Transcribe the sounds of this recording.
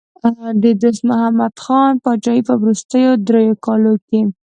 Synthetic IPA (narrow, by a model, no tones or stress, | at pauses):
d̪əd̪osmʊɦamad̪xɑnpɑt͡ʃɑipəwɾust̪əjod̪ɾejokɑloke